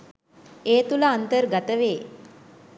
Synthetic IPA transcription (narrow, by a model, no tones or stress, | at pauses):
eːt̪uləːnt̪əɾɡat̪əʋeː